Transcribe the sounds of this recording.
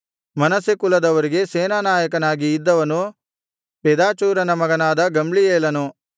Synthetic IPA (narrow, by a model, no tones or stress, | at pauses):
mɐnɐsikulɐd̪ɐʋɐɾiɡe̞seːnaːnaːjɐkɐnaːɡiːd̪ːɐʋɐnu | peːd̪aːt͡ʃuːɾɐnɐmɐɡɐnaːd̪ɐɡɐmɭijeːlɐnu